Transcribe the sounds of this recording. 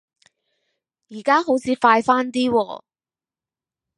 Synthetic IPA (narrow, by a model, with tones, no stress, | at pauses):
jiː˨˩kaː˥ɦo˨˥wt͡sʰiː˨˧faː˧jfaː˥nt̪iː˥wɔː˧